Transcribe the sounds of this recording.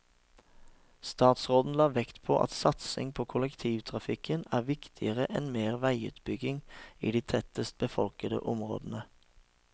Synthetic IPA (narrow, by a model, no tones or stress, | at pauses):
st̪ɑːt̪sʁoːd̪n̩lɑːʋɛkt̪pʰo̰ːʔɑ̰t̪sɑt̪sɪ̰ŋpʰoːkʰʊləkt̪ʰiːʋt̪ʰʁɑfɪkʰənæːʁʋɪkt̪ʰɪəʁəʔɛnmeːʁʋæɪʉ̰ːt̪bʏɡɪŋḭːd̪iːt̪ʰɛt̪əst̪̚bəfɔlkəd̪ə̰ʔʊmʁo̰ːd̪ən̩ə